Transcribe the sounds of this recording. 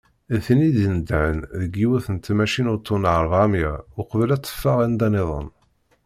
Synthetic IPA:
θniðənd̪ʕənðəɡːiwæθənt̪mæʃinʊɾt̪ːunʕəɾˤvamjæʊqəvəlæt͡s̪ˤːə̥fːɑʁænd̪æneðˤə̰n

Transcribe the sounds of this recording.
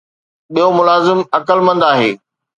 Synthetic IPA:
ɓijomʊlaːzɪmɐkəlmɐ̃nd̪aːɦeː

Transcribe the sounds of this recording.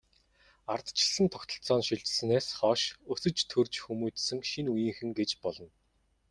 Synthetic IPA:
art̪t͡ɕɪ̆ɮsɘ̆nt̪ʰɔkt̪ɞ̆ɬt͡sɔːnʃiɮt͡ɕ̆sɘ̆neːsχɔːʃɵsɵ̆t͡ɕt̪ʰɵrt͡ɕxumuːt̪sɘ̆ŋʃinujiːŋxɘ̆ŋɡet͡ɕpɔɮɞ̆n

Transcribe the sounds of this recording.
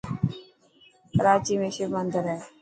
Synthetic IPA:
kəɾaːt͡ʃiːmẽːʃɪmənd̪əɾɦɛː

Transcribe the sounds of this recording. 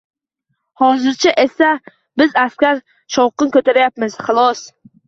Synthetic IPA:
hɒzɪɾt͡ʃʰaʔe̞sa | bɪzaskʲaɾ | ʃɒwqɨnkʲʰɵt̪ʰaɾajapmɪz̥χɨlˠɒs

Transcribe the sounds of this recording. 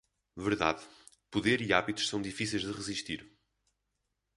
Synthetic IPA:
vɨɾða̰ð | puðeɾiaβit̪u̥ʃsɐ̃w̃d̪ifisejʒðɨʁɨziʃt̪iɾ

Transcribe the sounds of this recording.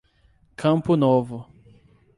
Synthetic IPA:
kʰɐ̃mpʊnovʊ

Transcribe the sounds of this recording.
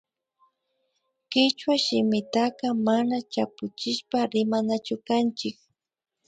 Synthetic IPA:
kɪt͡ʃwaʃɪmɪt̪aqɑmanat͡ʃapʊt͡ʃɪʃpaɾɪmanat͡ʃʊkant͡ʃɪk̚

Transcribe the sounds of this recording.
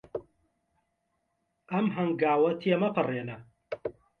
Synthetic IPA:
ʔɐmɦɐŋɡaːwɐt̪ʰiemɐpʰɨreːnɐ

